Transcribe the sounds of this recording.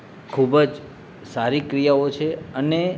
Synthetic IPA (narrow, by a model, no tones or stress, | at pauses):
kʰubəd͡ʒ | saɾikɾijaot͡ʃʰeəne